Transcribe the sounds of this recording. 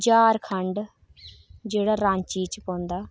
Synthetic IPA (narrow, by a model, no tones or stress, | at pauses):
d͡ʒaːɾkʰəɳɖ | d͡ʒeːɽaːɾãːɲt͡ʃiːt͡ʃpõːnd̪aː